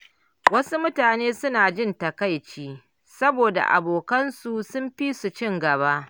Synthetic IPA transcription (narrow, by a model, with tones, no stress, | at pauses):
wɐ˦su˦mʊ˦taː˨neː˦sʊ˦naː˨d͡ʒɪ˦˨ntɐ˨ka˦˨jt͡ʃiː˦ | sɐ˦boː˨da̰˨ʔa̰˨boː˨kɐ˦nsu˨sʊ˦mɸi˦su˨t͡ʃɪ˦˨ŋɡɐ˨βaː˦ʔ